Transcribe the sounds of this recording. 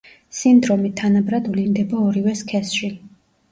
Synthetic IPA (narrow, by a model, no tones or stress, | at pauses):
sind̪ɾɔmit̪ʰanabɾad̪vlind̪ɛbaɔɾivɛskʰɛsʃi